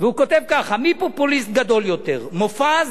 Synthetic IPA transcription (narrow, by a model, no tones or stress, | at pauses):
veuko̞t̪evkaχamipopulist̪̚ɡad̪o̞ljo̞t̪e̞ʁmofaz